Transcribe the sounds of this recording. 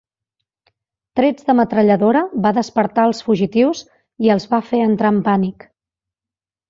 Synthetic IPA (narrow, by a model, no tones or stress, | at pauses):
t̪ɾed͡zðəmət̪ɾəʎəðoɾəβaðəspəɾt̪aəlˠsfuʒit̪iws | iəlˠzβafeənt̪ɾampanik